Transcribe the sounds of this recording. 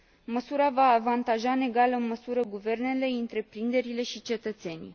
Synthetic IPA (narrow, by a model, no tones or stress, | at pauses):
məsuɾavaːvant̪aʒane̞ɡaləɨnməsuɾəɡuve̞rne̞le̞ɨnt̪ɾe̞pɾind̪e̞ɾile̞ʃit͡ʃe̞t̪ət̪se̞nʲi